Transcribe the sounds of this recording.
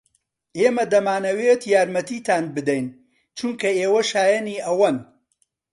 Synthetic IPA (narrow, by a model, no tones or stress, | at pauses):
ʔeːmɐd̪ɐmaːnɐwet̪jaːɾmɐt̪iːt̪aːnbɨd̪ɐjn | t͡ʃuŋkɐeːwɐʃaːjɐniːʔɐwɐn